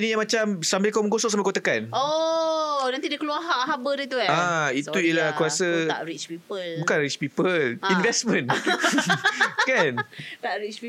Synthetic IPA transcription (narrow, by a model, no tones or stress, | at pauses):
inijaŋmat͡ʃamsambɪlkawməŋɡosɔʔsamakot̪əkano | nant̪idəkəluaɦaʔɦabədit̪uaait̪uijəlahkɾuasəaʔɾit͡ʃpiəlbukanɾit͡ʃpipəlinvɛsmə̃n | kantaʔɾit͡ʃ